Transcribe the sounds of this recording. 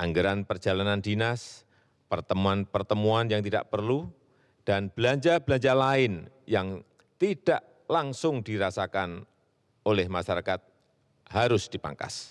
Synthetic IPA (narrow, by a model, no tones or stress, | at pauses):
ʔaŋɡəɾanpərd͡ʒalanandinas | pərt̪əmuanpərt̪əmuanjaŋt̪ida̰ʔpərlu | d̥anb̥əlaɲd͡ʒabəlaɲd͡ʒalaɪn | jaŋ | t̪id̥aʔ | laŋsʊŋd̥iɾasakan | olɛhmaʃaɾakat̪̚ | haɾʊsd̥ipa̰ŋka̰s